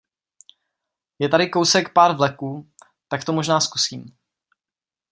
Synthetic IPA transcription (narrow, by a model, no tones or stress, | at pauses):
jɛt̪aɾɪko̞wsɛkpaːɾvlɛkuː | t̪akt̪omo̞ʒnaːskusiːm